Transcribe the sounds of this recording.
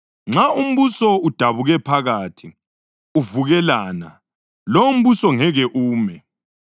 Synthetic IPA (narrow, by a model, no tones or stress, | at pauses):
ŋ͡ǁaum̩βusɔud̥ʱaβuɣɛpʰaɣatʰi | uvuɣɛlaːna̰ | loum̩βusɔŋɛɣɛʔuːmɛ